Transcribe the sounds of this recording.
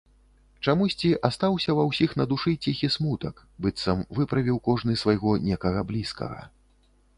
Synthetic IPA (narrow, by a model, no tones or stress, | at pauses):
t͡ʂamusʲt͡sʲiʔast̪awsʲɐvɐwsʲixnɐd̪uʂɨt͡sʲixʲismut̪ɐk | bɨt̪sɐmvɨpɾɐvʲiwkɔʐnɨsvajɣɔnʲɛkɐɣɐblʲiskɐ̰ɣɐ̰